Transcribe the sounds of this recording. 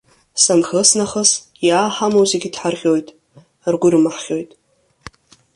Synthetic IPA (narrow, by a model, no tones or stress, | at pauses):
sanxəsnaχəs | jaːħamowzeɡʲidħarχʲo̞jtʼ | rɡʷʊrɨmaħχʲo̞jtʼ